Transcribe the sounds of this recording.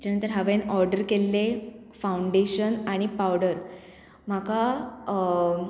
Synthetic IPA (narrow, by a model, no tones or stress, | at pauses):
d͡ʑanənt̪əɾɦaʋenɔɾɖəɾkelːe | fauɳɖeɕənaɽ̃ipawɽəɾ | m̤aka